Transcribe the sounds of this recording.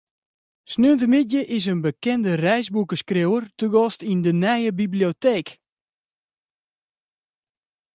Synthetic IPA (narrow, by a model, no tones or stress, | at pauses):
snøntəmɪdjəʔɪs̬ənbəkɛndərɛjzbukəskrewərtuɡɔstindənɛjəbiblioteːk